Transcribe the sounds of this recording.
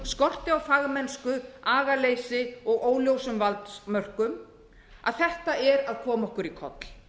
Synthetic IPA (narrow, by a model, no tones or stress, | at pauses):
skɔr̥t̪ɪawfaɣmɛnskʏaːɣaleːjsɪɔɣoːwljowsʏmvalt̪smœr̥kʏm | a̰ðθɛht̪aɛɾaðkʰɔːmaɔhkʏɾikʰɔ̰t̪l̥